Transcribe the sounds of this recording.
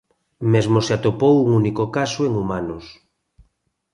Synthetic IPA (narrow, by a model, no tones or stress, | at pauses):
mezmoseat̪opowuŋunikokasoeŋumanos